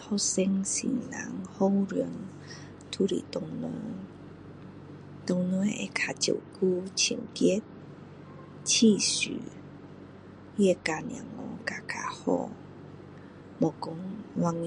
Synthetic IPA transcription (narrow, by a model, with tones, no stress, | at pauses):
hɔ˧˦se˧ŋsḭ˨˩nna̰˨˦ŋho˦ŋɾə˧˦əŋ | t̪ʰu˧˦lḭ˨t̪ɔ˧˩ŋnɔ˧˦ | t̪ɔ˧˩ŋnɔ˧˦ʔe˨˩kʰa˨˩t͡ɕjo̰˨˩˨ku˦t͡ɕʰi˨˩ŋki˦ət̪̚ | t͡ɕʰi˥˨sy̰˨˦ | e˧ka˨njã̰˨˩ŋːɔ˧˦ka˨˧˩kʰa˨hɔ̰˧˩ | mɔ˨˩kɔ˧˦ŋwa˧ŋ